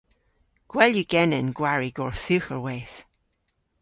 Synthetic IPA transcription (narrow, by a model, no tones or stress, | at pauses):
ɡ̥wɛljəɡ̥ɛnənɡ̥waɹiɡ̥ɔːɹθʉxəɹweθ